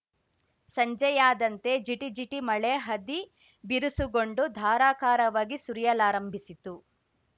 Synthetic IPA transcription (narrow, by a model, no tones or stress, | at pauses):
sɐɲd͡ʒɐjaːd̪ɐnt̪e̞d͡ʒiʈid͡ʒiʈimɐɭeɦɐd̪i | biɾusuɡoɳɖud̪ʱaːɾaːkaːɾɐʋaːɡisuɾijɐlaːɾɐmbʱisit̪u